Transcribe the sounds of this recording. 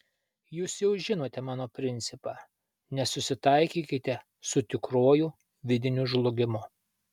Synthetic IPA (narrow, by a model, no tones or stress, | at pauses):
juːsjɛʊʒʲɪnoːt̪ʲɛmɑːnoːpʲɾʲɪnʲt̪sʲɪpɑː | nʲɛsʊsʲɪt̪ɐɪkʲiːkʲɪt̪ʲɛ | sʊt̪ʲɪkɾoːjuː | ʋʲɪd̪ʲɪnʲuʒlˠʊɡʲɪmʊ